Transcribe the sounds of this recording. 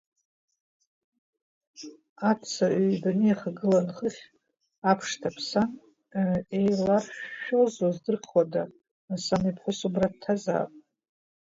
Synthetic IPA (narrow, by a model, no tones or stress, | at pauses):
at͡sʰaʔɥbanɨjaχaɡɨlanχəχʲ | apʰʂtʰapʰsan | ejlarʃᶣʃᶣozozdɨrqʰwada | samipʰχʷʊsubrad̚tʰːaza̰ːpʼ